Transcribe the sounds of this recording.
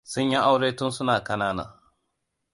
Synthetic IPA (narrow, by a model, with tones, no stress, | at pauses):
sʊ˦ɲji˦ʔa˦wɽeː˦tʊ˦nsʊ˦naː˨kɐ˦naː˦na̰ː˨